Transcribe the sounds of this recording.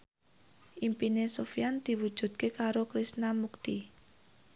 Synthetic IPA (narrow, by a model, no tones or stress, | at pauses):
ʔimpinesofijand̪̥i̤wud̥ʒ̥ṳd̪̚kekaɾokɾisnamukt̪i